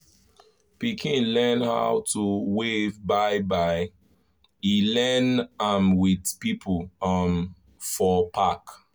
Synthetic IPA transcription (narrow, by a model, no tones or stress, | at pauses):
pikʰĩnlɛnha̰ʊtuwevbaɪbaɪ | ilɛnãmwidpipʰlam | fɔpʰak